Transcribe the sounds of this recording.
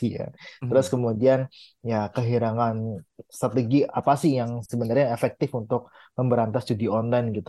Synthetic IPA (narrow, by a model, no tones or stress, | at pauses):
ija̰t̪əɾʊskəmudian | jakəɦiɾaŋanst̪ɾat̪eɡiapasɪhjaŋsəbənarɲaefɛk̚t̪ɪfunt̪ʊk̚ | məmbəɾant̪asdudiɔnlajnɡit̪